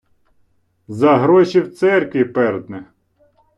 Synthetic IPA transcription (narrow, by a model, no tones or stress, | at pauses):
zɐɦɾɔʃʲiwt̪sɛrkʋʲipɛɾd̪nɪx